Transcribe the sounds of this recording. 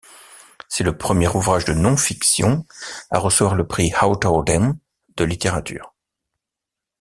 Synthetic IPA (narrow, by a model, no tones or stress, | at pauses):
sɛləpχəmjɛʁuvʁaʒd̪ənɔ̃fiksjɔ̰̃a̰ʁəsəvwaʁləpχihawt̪ɔld̪ɛn | d̪̥əlit̪eʁat̪y̰ːʁ